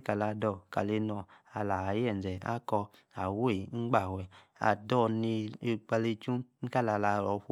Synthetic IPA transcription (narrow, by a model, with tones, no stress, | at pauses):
ka˨la˧˨dɔ˧˨ka̰˨le˧nɔ˧˨a˨la˨˦jɛ˦˨n˨d͡ʒɛ˨a̰˦kɔ˧ | a˨wo˦i˨ŋ͡m̩˦ɡ͡ba˦˨wɛ˨a̰˨dɔ˧˨ni˧˨k͡pa˧le˧t͡ʃu˦ka˦la˨la˧˨ɾɔ˨˦ɸo˦